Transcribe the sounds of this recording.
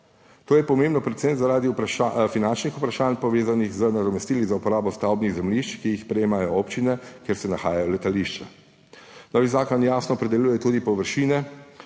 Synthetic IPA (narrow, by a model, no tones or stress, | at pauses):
t̪oːjɛpɔmeːmbnɔpɾɛt̪sent̪zaɾaːd̪ipfinant͡ʃnixupɾaʃaːnpɔʋeːzanixzənad̪ɔmɛst̪iːlizaupɔɾaːbɔst̪awbniɣzɛmliʃt͡ʃkijixspɾɛjeːmajɔoːpt͡ʃinɛkjeɾsɛnaxaːjajɔlɛt̪aliʃt͡ʃa | nɔːʋizaːkɔnjaːsnɔːpɾɛd̪ɛljuːjɛt̪uːd̪ipɔʋəɾʃiːnɛ